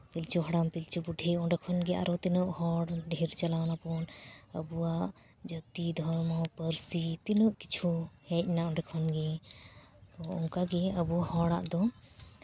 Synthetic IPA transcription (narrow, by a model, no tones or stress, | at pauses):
pilt͡ʃuɦɔɽampilt͡ʃubuɖʱɛɔɳɖɛkʰɔnɡɛʔa̰ɾɔt̪ɛnəʔhɔɽɖʱeɾt͡ʃalanapɔnə̰buwaʔ | d͡ʒət̪id̪ʱɔɾmɔpəɾsit̪inəʔki̥t͡ʃʰuhɛc̚naʔɔ̃ɳɖɛkʰɔnɡɛ | t̪ɔɔ̰ŋkaɡɛəbuahɔɽa̰ʔd̪ɔ